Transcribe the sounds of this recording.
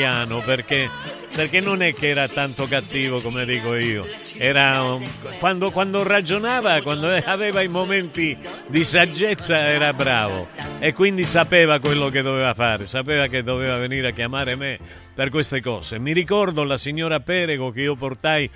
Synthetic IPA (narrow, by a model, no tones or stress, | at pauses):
jaːnoperke | perkenːonɛkːeɛːɾat̪ant̪okat̪ːiːvokomed̪iːkoiːo | ɛːɾakwand̪okwand̪orad͡ʒonaːvakwand̪oavɛːvaimomɛnt̪i | d̪isad͡ʒːɛt̪sːaɛːɾabɾaːvo̰ekːwind̪isapɛːvakwelːok̬ed̪ːovɛːvafaːɾɪsap̬ɛːvak̬ed̪ːovɛːvaveniːɾeakːjamaːɾeme | perkwest̪ekɔ̰ːzemiɾikɔrd̪olasiɲːɔːɾapɛːɾeɡok̟eiːop̬ort̪aj